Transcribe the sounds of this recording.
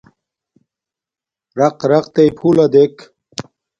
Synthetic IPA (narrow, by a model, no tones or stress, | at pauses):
ɾɐqɾɐqt̪ejpʰuːlɐd̪ek